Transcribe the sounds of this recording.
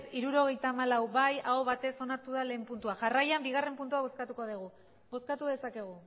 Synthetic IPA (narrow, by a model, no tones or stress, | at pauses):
t̪iɾuɾo̞ɣ̞e̞jt̪aːmalawβajaoβat̪e̞so̞naɾt̪uðale̞ːmpunt̪uaʝarajambiɣ̞are̞mpunt̪̬uaβo̞skat̪uko̞ðiɣ̞u | bo̞skat̪uðe̞sake̞ɣ̞u